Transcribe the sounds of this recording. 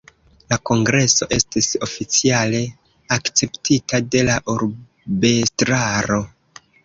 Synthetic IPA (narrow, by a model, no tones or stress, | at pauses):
lako̞ŋɡɾe̞so̞ʔe̞stiso̞fit͡siale̞ | akt͡se̞ptʰitade̞laʔuɾ | be̞stɾaɾo̞